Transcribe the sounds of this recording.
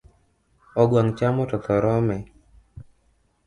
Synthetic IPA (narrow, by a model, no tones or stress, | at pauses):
ɔɡwaŋt͡ʃamɔtɔt̪ɔɾɔmɛ